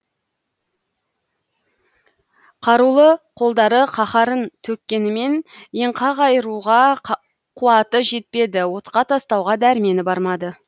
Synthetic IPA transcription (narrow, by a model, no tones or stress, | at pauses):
qʰɑɾulˠəqʰo̞lˠd̪ɑɾəqʰɑχɑɾənt̪ʰɵkʲːe̞nɪme̞njeɴqʰɑʁɑjəɾuʁɑ | qʰuɑt̪əʒe̞t̪̚pe̞d̪ɪwo̞t̪qɑt̪ʰɑst̪ɑwʁɑd̪æɾɪme̞nɪbɑɾmɑd̪ə